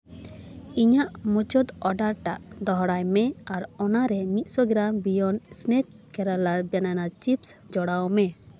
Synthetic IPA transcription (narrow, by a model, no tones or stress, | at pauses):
iɲaʔmut͡ʃɔd̪ɔɖaɾʈaʔd̪ɔɦɽajmɛaɾɔnaɾɛmit̪̚ˀsɔɡɾambijɔnsnɛk̚ | kɛɾalabananat͡ʃipsd͡ʒɔɽawmɛ